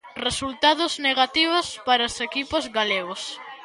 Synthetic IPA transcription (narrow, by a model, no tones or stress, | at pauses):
result̪aðʊzneɣat̪iβ̞ʊspaɾaosekipozɣaleɣos